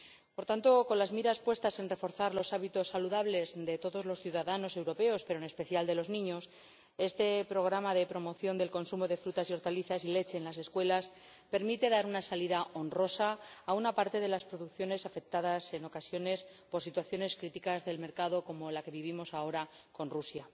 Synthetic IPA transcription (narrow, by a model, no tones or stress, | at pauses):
po̞ɾt̪ant̪o̞ko̞nlazmiɾaspwe̞st̪ase̞nre̞fo̞ɾθaɾlo̞saβit̪o̞sːaluðaβle̞zd̪e̞t̪o̞ðo̞zlo̞sθjuðaðano̞se̞wɾo̞pe̞o̞spe̞ɾone̞spe̞θjald̪e̞lo̞znĩɲo̞s | e̞st̪e̞pɾo̞ɣ̞ɾamaðe̞pɾo̞mo̞θjo̞nd̪e̞lko̞nsumo̞ðe̞fɾut̪asjo̞ɾt̪aliθasile̞t͡ʃe̞ːnlase̞skwe̞las | pe̞ɾmit̪e̞ðaɾunasaliðao̞nro̞saːunapaɾt̪e̞ðe̞laspɾo̞ðukθjo̞ne̞safe̞k̚t̪aðase̞no̞kasjo̞ne̞spo̞ɾsit̪waθjo̞ne̞skɾit̪ikazðe̞lme̞ɾkaðo̞ko̞mo̞lake̞βiβ̞imo̞sao̞ɾa | ko̞nrusja